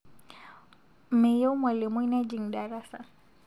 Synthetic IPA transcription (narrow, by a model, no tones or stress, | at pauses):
mɛjawmwalimuinad͡ʒiŋɗaɾasa